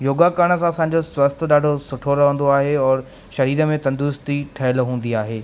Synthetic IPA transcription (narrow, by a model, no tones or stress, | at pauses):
joːɡakəɽ̃ə̆s̬ãɐsãːɲ̆d͡ʑoswɐst̪ʰɗaːɖʱosʊʈʰoɾɐʋə̃nd̪oaːɦeɔːɾ | ʃɐɾiːɾə̆mẽt̪ɐ̃nd̪ʊst̪iʈʰɐɦəlɦũːn̆d̪iaːɦeː